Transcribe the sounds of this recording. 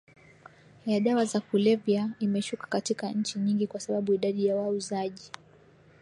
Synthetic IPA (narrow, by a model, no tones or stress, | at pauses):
jaɗawazakulɛvjaimɛʃukḁkatikaɲ̩t͡ʃiɲiŋɡikwasaɓaɓuiɗaɗijawauzaʄi